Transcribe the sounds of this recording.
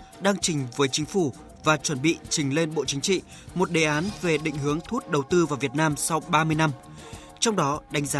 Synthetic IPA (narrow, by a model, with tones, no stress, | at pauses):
ɗaː˧ŋt͡ɕï˨˩ŋ̟vəː˨˦jt͡ɕï˨˦ŋ̟fu˧˩ | vaː˨˩t͡ɕwə˧˩nɓḭ˧˨t͡ɕï˨˩ŋ̟le˧nɓo̰˧˨t͡ɕï˨˦ŋ̟t͡ɕḭ˧˨ | mo˨˩t̚ɗe˨˩ʔaː˨˦nve˨˩ɗḭ̈˧˨ŋ̟hɨ˨˦əŋt̪ʰu˦˥t̚ɗə˨˩wt̪ɨ˧vaː˨˩vi˨˩ət̚naː˧msɔ˧wɓaː˧mɨ˧əjna˧m | t͡ɕɔ˧wŋ͡mɗɔ˨˦ɗa˨˦ŋ̟zaː˨